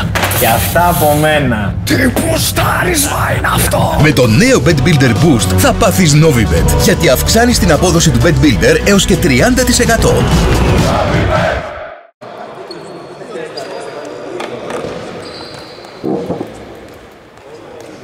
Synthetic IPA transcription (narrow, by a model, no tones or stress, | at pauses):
ceɐft̪ɐːpo̞me̞nɐ | t̪ipust̪ɐɾizvɐinɐft̪ome̞t̪o̞ne̞o̞be̞d̪bild̪e̞ɾbust̪θɐpɐθizno̞vibḛd̪ʝɐt̪iɐfksɐnist̪inɐpo̞ðo̞sit̪ube̞t̪bild̪e̞ɾe̞o̞sce̞t̪ɾiɐnd̪ɐt̪ise̞kɐt̪o̞̰